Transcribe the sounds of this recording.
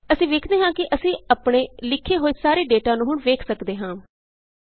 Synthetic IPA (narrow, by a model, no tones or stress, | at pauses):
əsĩːʋeːkʰd̪eːɦãːkɪʔəsĩːaːpɳeːlɪkʰːeːɦoːɪsaːɾeːɖeːʈãːnũːɦʊɳʋeːkʰsəkd̪eːɦãː